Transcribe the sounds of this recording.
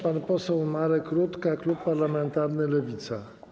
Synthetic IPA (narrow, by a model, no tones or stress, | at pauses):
panpɔsɛwmaɾɛkɾut̪kaklupːaɾlamɛnt̪aɾnɘlɛvʲit̪sa